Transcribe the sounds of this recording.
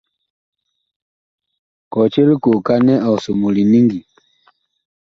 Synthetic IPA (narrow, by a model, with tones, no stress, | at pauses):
kɔ˨t͡ʃe˦li˦ku˨ka˦nɛ˦ʔɔ˨su˨mu˨li˨ni˦ŋɡi˨